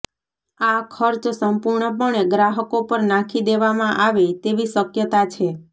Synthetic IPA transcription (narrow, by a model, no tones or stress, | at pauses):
akʰəɾt͡ʃsəmpuɾɳəp̬əɳeɡɾaɦəkopəɾnakʰid̪eʋamãʔaʋet̪eʋisəkjət̪at͡ʃʰe